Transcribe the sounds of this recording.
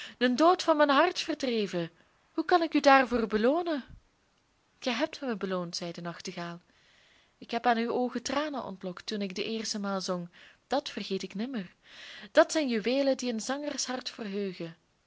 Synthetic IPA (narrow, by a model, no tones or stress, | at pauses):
əndoːtfɑnmɛjnɦɑrtfərdrejvə | hukɑnɪkydaːrvʊːrbəloːnə | ɣ̥ɛjɦɛp̚tməbəloːntsɛjdənɑxtəɣaːlˠ | ɪkɦɛpaːnywoːɣətraːnənʔɔ̰ntlɔktunɪɡ̚dəʔɪːrstəmaːlˠzɔŋd̥ɑtfərɣeːtɪknɪmərd̥ɑtsɛjnjyʋeːlədiənzɑŋərsɦɑrtfərɦøːɣə